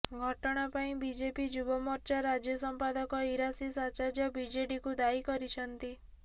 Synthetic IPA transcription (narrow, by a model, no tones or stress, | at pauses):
ɡʱɔʈɔɽ̃apaĩbid͡ʒepid͡ʒubɔmɔɾt͡ʃaɾad͡ʒjɔsɔmpad̪ɔkɔiɾasisat͡ʃad͡ʒjɔbid͡ʒeɖikud̪aikɔɾit͡ʃʰɔnt̪i